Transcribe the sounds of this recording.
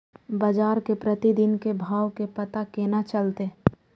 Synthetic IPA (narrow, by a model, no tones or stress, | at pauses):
bad͡ʒaːɾkepɾət̪id̪ɪnkebʱaːwkepɐt̪akeːnat͡ʃɐlt̪e